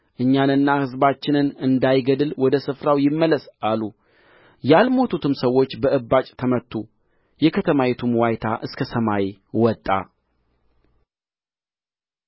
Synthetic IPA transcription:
ʔɨɲːanɨnːahɨzbat͡ʃːɪnɨnɨnd̪ajɡəd̪ɨlwɔd̪əsɨfɾawjɪmːələsʔalu | jalmo̞t̪ʰut̪ʰɨmsəwːo̞t͡ʃːbəʔɨbːat͡ʃʼt̪ʰəmət̪ʰːu | jɛkʰət̪ʰəmawɛt̪ʰumwajt̪ʰa̰ʔɨskʰəsəmajwɔt̪ʼːa̰

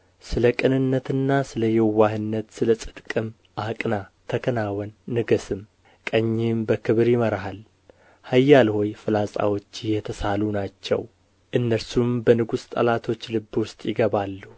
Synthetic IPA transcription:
sɨləkʼɨnɨnːət̪ɨnːasɨləjɛwahɨnːət̪sɨləsʼɨd̪kʼɨm | ʔakʼnat̪ʰəkʰənawɔnːɨɡəsɨm | kʼəɲːɪmbəkʰɨβɾjɪməɾahal | hajːalho̞jfɨlasʼa̰wot͡ʃːɪjɛt̪ʰəsalunat͡ʃːɛ̰w | ʔɨnːəɾsumbənɨɡust̪ʼə̰lat̪ʰo̞t͡ʃːlɨbːwʊst̪ʼjɪɡəβalːu

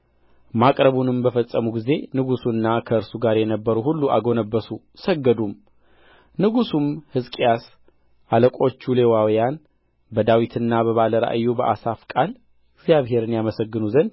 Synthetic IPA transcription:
makʼɾəβunɨmbəfəsʼːəmuɡize̞nɨɡusuɨnːakʰəɨɾsuɡaɾjɛnəbːəɾuhulːua̰ɡo̞nəbːəsu | səɡːəd̪um | nɨɡusumhɨzkʼijas | ʔaləkʼo̞t͡ʃːule̞wawjan | bəd̪awit̪ʰɨnːabəβaləɾa̰ʔjːubəʔasafkʼal | ɪɡzijaβɦe̞ɾɨnjaməsəɡːɨnuzən

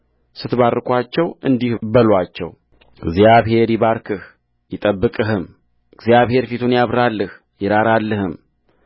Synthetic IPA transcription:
sɨt̪βarːɨkʼʷat͡ʃːɛwɨnd̪ihbəlwat͡ʃːɛ̰w | ɪɡzjaβhe̞ɾjɪβaɾkʰɨh | jɪt̪ʼəbːɨkʼɨɦɨm | ɡzjaβhe̞ɾfit̪ʰunjaβɾalːəh | jɪɾaɾalːəhɨm

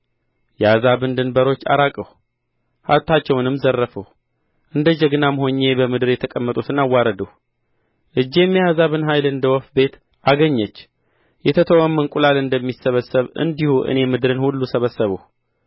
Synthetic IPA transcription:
jɛazaβɨnd̪ɨnbəɾo̞t͡ʃːa̰ɾakʼəw | haβt̪ʰːat͡ʃːɛwnɨmzərːəfəw | ʔɨnd̪əd͡ʒəɡnamho̞ɲːe̞bəmɨd̪ɨɾjɛt̪ʰəkʼəmːət̪ʼut̪ʰɨnawːaɾəd̪əw | ʔɨd͡ʒːe̞mːiazaβɨnɦajlɨnd̪əwɔfbe̞t̪ | ʔaɡəɲːət͡ʃː | jɛt̪ʰət̪ʰəwəmːənkʼulalɨnd̪əmːisːəβəsːəβɨ̰nd̪ihuʔɨ̰ne̞mɨd̪ɾɨnhulːusəβəsːəβəw

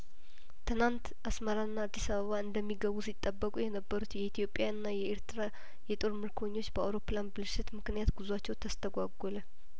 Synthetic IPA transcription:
t̪ʰɨnant̪ʔasməɾaɨnːaːd̪ːisaβəβaɨnd̪əmːiɡəβusit̪ʼːəbːəkʼujɛnəbːəɾut̪jɛit̪ʰjo̞pʼːjaɨnːajɛeɾt̪ʰɨɾa | jɛt̪ʼo̞ɾmɨɾkʰwoɲːo̞t͡ʃːbəa̰wɾo̞planbɨlɨʃɪt̪mɨknijat̪ɡuzuat͡ʃːɛwt̪ʰəst̪ʰəɡʷaɡʷɔlə

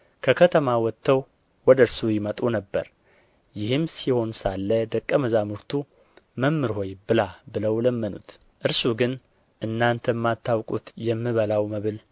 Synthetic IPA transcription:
kʰəkʰət̪ʰəmawɔt̪ʰːəw | wɔd̪əɨɾsujɪmət̪ʼunəbːə̰ɾ | jɪhɨmsiho̞nsalːəd̪əkʼːəməzamuɾt̪ʰu | məmːɨɾho̞jbɨlabɨləwləmːənṵt̪ | ʔɨɾsuɡɨn | ʔɨnːant̪ʰəmːat̪ːawkʼut̪jɛmːɨβəlawməβɨl

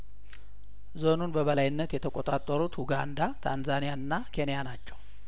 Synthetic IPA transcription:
zo̞nunbəβəlajɪnːət̪jɛt̪ʰəkʼot̪ʼat̪ʼːəɾut̪huɡand̪at̪ʰanzanijaɨnːakʰe̞nijanat͡ʃːɛw

